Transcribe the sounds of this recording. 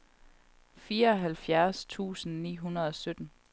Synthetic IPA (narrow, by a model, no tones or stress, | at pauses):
fiːɐɒ̽ɦælfjæɐst͡sʰṵːsn̩nḭːɦunɐðˠɒ̽sød̥n̩